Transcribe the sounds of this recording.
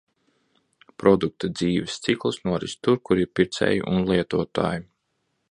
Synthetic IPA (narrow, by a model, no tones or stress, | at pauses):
pɾɔd̪uk̚t̪ad̪ziːvɛst̪siklˠɨsnuɔɾḭst̪uɾkuɾiɾpiɾt̪sʲɛ̰ːjḭʔunlˠiɛt̪uɔt̪a̰ːju